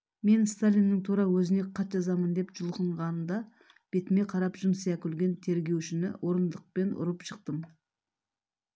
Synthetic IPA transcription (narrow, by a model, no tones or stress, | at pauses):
me̞nst̪alʲinːɪŋt̪ʰuɾɑwɵzɪne̞qʰɑt̪ʒɑzɑmənd̪e̞pʒ̥ʊlˠqəɴʁɑnənd̪ɑ | b̥e̞t̪ɪme̞qʰɑɾɑpʒʊmsjɑkʲʰʏlɡʲe̞nt̪ʰe̞ɾɡʲe̞wʃɪnɪ̰wʔo̞ɾənd̪əq̚pe̞nʔʊ̰ɾəpʃəq̚t̪əm